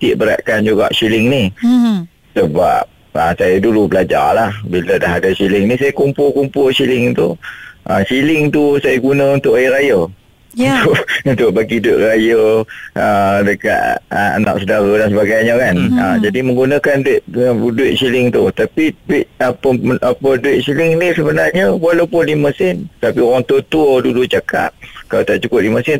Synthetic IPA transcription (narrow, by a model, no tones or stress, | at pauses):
t̪ɪʔbəɾa̰ʔkand͡ʒuɡa̰ʔsilɪŋni | səba̰p̚ | əsajadulubəlad͡ʒa̰lahbilədaɦadasilɪŋnisajakumpʊlkumpʊlsilɪŋt̪uʔəsilɪŋt̪usajaɡunəunt̪ʊʔajɾajə | unt̪ʊʔunt̪ʊʔ̚baɡiduɪʔɾajəədəka̰ʔ̚aa̰na̰k̚sədaɾədaŋsəbaɡajɲəkanəd͡ʒadimə̃ŋɡunə̃kanduɪt̪̚duɪt̪̚silɪŋt̪ṵt̪apiduɪʔ̪̚apəapəduɪt̪̚silɪŋnisəbənarɲəwalawpʊnliməsɪnt̪apioɾaŋt̪ot̪udulut͡ʃakʰa̰p̚kalat̪aʔt͡ʃukʊp̚liməsɪn